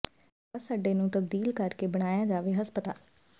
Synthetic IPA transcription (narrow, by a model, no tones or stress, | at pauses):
saːɖeːnũːt̪əbd̪iːlkəɾkeːbəɽ̃aːjaːd͡ʒaːʋeːɦəspət̪aː